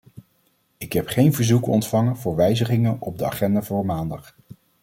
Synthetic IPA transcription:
ɪkɦɛpχejnvəɹzukɔ̰ntfɑŋənvʊːɹʋɛjzəχɪŋənɔb̚dəa̰χɛndaːvʊːɹmaːndɑχ

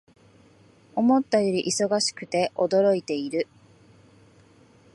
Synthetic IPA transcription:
o̞mo̞t̪ːajo̞ɾʲiʔiso̞ɡaɕi̥kɯ̟t̪e̞ʔo̞d̪o̞ɾo̞it̪e̞iɾɯ̟

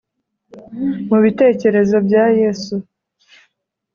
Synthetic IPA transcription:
muβite̞ːce̞ɾe̞zo̞bjaːjeːsu

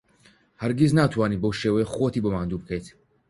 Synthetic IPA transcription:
hɐɾɡiznaːt̪ʰwaːniːbowʃeːwexot̪ʰiːbomaːnd̪uːbɨkʰəjt̪ʰ

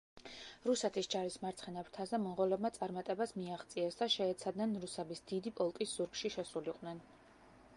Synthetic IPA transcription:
ɾusɛt̪ʰisd͡ʒaɾismaɾt̪sʰχɛnabɾt̪ʰazɛmɔnʁɔlɛbmat̪sʼaɾmat̪ʼɛbasmiaχt̪sʼiɛsd̪aʃɛːt̪sʰad̪nɛnɾusɛbisd̪id̪ipʼɔlˠkʼisz̥uɾkʃiʃɛsuliqʼwnɛn

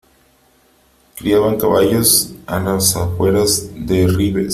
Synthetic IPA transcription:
kɾiaβaŋkaβaʝosalasafwe̞ɾazðeriβes

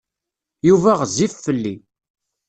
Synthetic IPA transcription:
juvæʁzifːəlːi

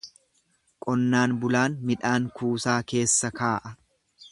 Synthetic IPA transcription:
kʼɔnːaːnbʊlaːnmɪᶑaːŋkuːsaːke̞ːsːɐkaːʔɐ

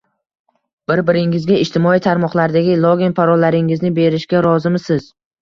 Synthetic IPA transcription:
b̥ɪɾbɪɾɪŋɪzɡʲaɪʃt̪ʰɪmɒijt̪ʰaɾmɒqlˠaɾd̪aɡʲɪlˠoɡʲinpaɾɒlːaɾɪŋɪznɪbe̞ɾɪʃkʲaɾɒzɪmɪsɪz̥

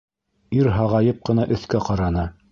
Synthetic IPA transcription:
iɾɦɑʁɑjɤp̚qɤ̆nɑʔɵ̆θkæqɑɾɑnɤ

